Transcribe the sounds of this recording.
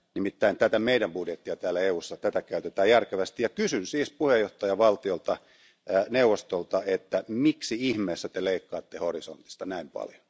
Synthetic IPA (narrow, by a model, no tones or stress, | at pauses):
nimit̪ːæint̪æt̪æmeidæmbudjet̪ːiɑt̪æːlːæeuːsːɑt̪æt̪ækæyt̪et̪æːjærkeʋæst̪ijɑkysynsiːspuhejoht̪ɑjɑʋɑlt̪iolt̪ɑ | neuʋːost̪olt̪ɑet̪ːæmiksiihmeːsːæt̪eleikːɑːt̪ːehorisont̪i̥st̪ɑnæimpɑ̰ljo̥